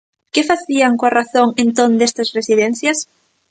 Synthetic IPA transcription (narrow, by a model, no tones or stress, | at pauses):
kefaθiaŋkoaraθoŋẽnt̪ond̪est̪asresiðen̟θjas